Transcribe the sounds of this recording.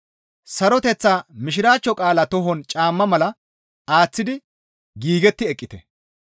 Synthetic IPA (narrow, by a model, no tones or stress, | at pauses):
sɐɾɔt̪ɛt͡sːaːmɪʃ̬ɪɾaːt͡ʃːɔkʼaːlɐt̪ɔɦɔnt͡ʃʼaːmːɐmɐlɐ | aːt͡sːɪd̪ɪ | ɡiːɡɛt̪ːɪɛkʼːɪt̪ɛ̰